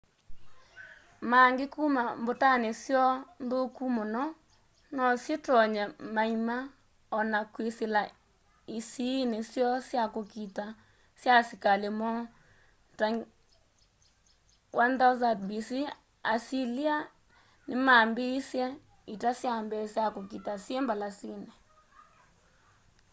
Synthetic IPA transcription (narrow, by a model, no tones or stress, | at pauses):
maŋɡekumambotanesjɔndokumɔnɔ | nɔsjetɔɲamaima | ɔnakwesela | isinesjɔsjakokita | sjasikalemɔ | ta | wʔandazabisi | asilia | nɪmambeisjɛ | itasjambɛsjakokitasjembalasine